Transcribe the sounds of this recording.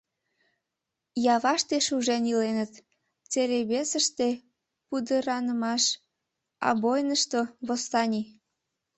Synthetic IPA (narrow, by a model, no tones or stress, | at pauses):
jɑβɑʃt̪eʃuʒenilenət̪ | t͡seleβesəʃt̪e | pud̪əɾɑnəmɑʃ | ɑ̰βojnəʃt̪oβost̪ɑnʲi